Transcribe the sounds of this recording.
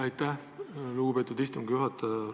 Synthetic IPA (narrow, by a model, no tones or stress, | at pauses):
ɑjt̪ːæh | luɡ̥upe̞ːt̪ːˑud̪ist̪uŋɡjuɦɑt̪ːˑɑ